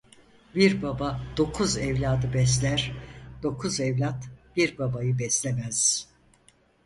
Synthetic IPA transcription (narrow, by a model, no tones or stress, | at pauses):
biɾbabad̪̥o̞kʰuzɛvlʲaːd̪ɯbɛs̬lʲæɾ̥d̪̥o̞kʰuzɛvlʲat̪b̥iɾbabajɯbɛslʲemæz̥